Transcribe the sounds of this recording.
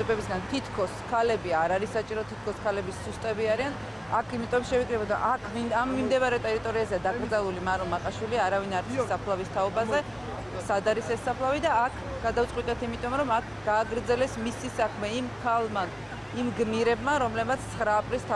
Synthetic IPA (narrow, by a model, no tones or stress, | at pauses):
ɛbɛbisɡant̪ʰit̪ʰkʰɔskʰalɛbiaɾaɾisat͡ʃʼiɾɔt̪ʰit̪̚ʰkʰɔskʰalɛbisːust̪ʼɛbiaɾian | akʰimit̪ʼɔʃɛvikʰʼɾɛbɔd̪a̰ʔakʰviamːimd̪ɛvaɾɛt̪ʼɛɾit̪ʼɔɾiazɛad̪aɡɾd̪zalˠulimaɾɔmaqʼaʃwiliaɾavinaɾt̪ʰsapʰlˠavist̪ʰaɔbazɛ | sad̪aɾisɛsːapʰlˠavid̪aːkʰ | ɡ̥ad̪avt̪sqʼwit̪ʼɛt̪ʰimit̪ʼɔmɾɔmakʰɡ̥aːɡɾd̪zɛlɛsmisisakʰmɛimkʰalˠma | imɡmiɾɛbmaɾɔmlɛbmat̪sʰt̪sʰχɾaːpʼɾist̪ʰa